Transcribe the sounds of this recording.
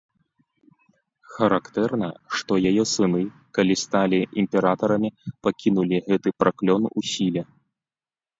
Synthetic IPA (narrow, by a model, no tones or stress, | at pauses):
xɐɾakt̪ɛrnɐʂt̪ɔjajɛsɨnɨ | kalʲist̪alʲiʔimʲpʲɛɾat̪ɐɾɐmʲipakʲinulʲiɣɛt̪ɨpɾʔaklʲɔnusʲilʲɛ